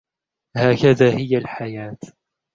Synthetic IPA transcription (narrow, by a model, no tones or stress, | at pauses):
haːkaðaːhɪjalħajaːt̪